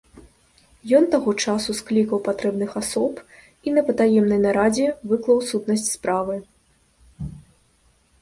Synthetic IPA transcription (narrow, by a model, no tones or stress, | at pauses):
jɔnt̪aɣɔt͡ʂasusklʲikɐwpat̪ɾɛbnɨxasɔp | in̪ɐpɐt̪ajɛmnɐjnɐɾad͡zʲɛvɨklˠɐwsut̪nɐsʲt͡sʲspɾavɨ